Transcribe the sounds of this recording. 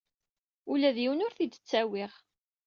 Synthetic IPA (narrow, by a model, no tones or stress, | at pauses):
ulæðjiwənʊɾθid̪ə̥t͡sːæwiʁ